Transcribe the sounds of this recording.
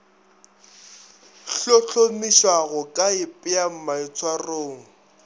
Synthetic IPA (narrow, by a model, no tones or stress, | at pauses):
ɬoɬomiʃwaɣʊkʼaɪpʼɪam̩maɪt͡sʰwaroːŋ̩